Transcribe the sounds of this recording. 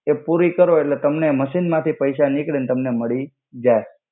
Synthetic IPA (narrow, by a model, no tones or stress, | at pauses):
epuɾikəɾoeʈlet̪əmneməʃinmãt̪ʰipəjʃanikɭint̪əmneməɭi | d͡ʒae